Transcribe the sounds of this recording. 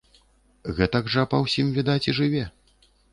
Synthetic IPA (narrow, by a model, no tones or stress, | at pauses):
ɣɛt̪ɐɡʐɐpɐwsʲimvʲid̪at͡sʲiʐɨvʲɛ